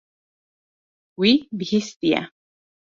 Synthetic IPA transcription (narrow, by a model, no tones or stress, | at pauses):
wibhist̪ia̰